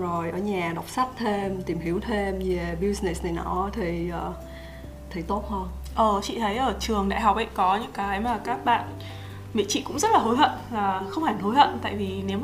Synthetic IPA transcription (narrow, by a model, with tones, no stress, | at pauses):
zo˨˩jʔəː˧˩ɲaː˨˩ɗa˨˩wk͡p̚sa˦˥k̚t̪ʰe˧mt̪i˨˩mhi˨˦wt̪ʰe˧mze˨˩ɓi˧sne˨˩sna˨˩jnɔ̰˧˩˥t̪ʰi˨˩ʔəː˨˩ | t̪ʰi˨˩jt̪o˦˥t̚həː˧ | ʔəː˨˩t͡ɕḭ˧˨t̪ʰə˨˦jʔəː˧˩t͡ɕɨ˨˩əŋɗa̰ː˧˨jɦa˨˩k͡p̚ʔa̰˧˨kɔ˨˦ɲɨ̰˧˥ŋkaː˨˦jmaː˨˩kaː˦˥k̚ɓa̰ː˧˨n | mḭ˧˨t͡ɕḭ˧˨kʊ̰˧˥ŋ͡mzə˦˥t̚laː˨˩ɦo˨˦jɦə̰˧˨nvaː˨˩xə˧wŋ͡mhaː˧˩nɦo˨˦jhə̰˧˨nt̪a̰ː˧˨jvi˨˩ne˨˦w